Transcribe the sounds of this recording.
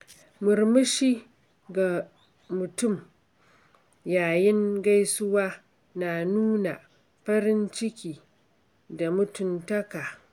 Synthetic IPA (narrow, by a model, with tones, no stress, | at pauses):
mʊ˨ɾmɪ˦ʃi˦ | ɡa˨ | mʊ˨tʊ˦˨m | jaː˨jɪ˦ŋɡa˦jsʊ˦waː˦ | na˨nuː˦na̰˨ | ɸɐ˦ɾɪ˦nt͡ʃɪ˦kʲiː˨ | da˨mʊ˦tʊ˨ntɐ˦kaː˨